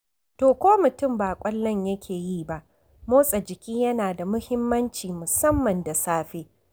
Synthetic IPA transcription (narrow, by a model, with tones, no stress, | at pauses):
toː˨kʷoː˦mʊ˨tʊ˦˨mbaː˨kʷʼɐ˦lːɐ˦ɲjɐ˦kʲʰeː˨jiː˦˨ba˦˨ʔ | moː˦sʼɐ˨d͡ʒɪ˨kʲiː˦jɐ˦naː˨da˨mʊ˦hɪ˦mːɐ˦nt͡ʃiː˨mʊ˨sɐ˦mːɐ˨nda˨saː˦ɸe˦